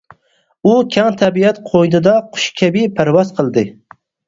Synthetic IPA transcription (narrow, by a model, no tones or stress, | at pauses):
ukʲʰɛŋt̪ʰæbiɛt̪qʰojnɨd̪ɑqʰʊ̥ʃkʲʰɛbɪpʰæɾwɑzqʰəlˠd̪ɨ